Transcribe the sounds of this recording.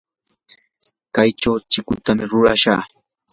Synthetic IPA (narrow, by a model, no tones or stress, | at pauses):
kajʈ͡ʂawt͡ʃɪkʊt̪amɪɾʊɾa̰ʃa̰ː